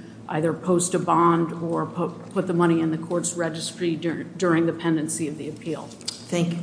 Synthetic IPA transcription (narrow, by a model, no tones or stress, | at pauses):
ʔa̰ɪðə˞pʰoʊstɨbɑ̃ndə˞pʰpʰʊt̪̚ðəmʌɾ̃iɨ̃nðɨkʰɔɹtsɹɛd͡ʒɨstɹ̥idʊɹɪ̃ŋðɨpʰɛ̃ndɨ̃nsiʌvðiɨpʰilˠ | θæ̃ŋk